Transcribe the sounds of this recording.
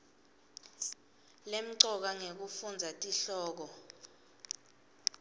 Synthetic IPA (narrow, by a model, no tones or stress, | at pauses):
lem̩ǀɔk̬aŋek̬ufund͡zʱatʼiɬɔːk̬ɔ